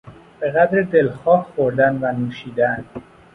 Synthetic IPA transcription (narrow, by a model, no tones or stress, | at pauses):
b̥e̞ɣæd̪ɾed̪elxɒːhxoɾd̪ænvænuːʃiːd̪æn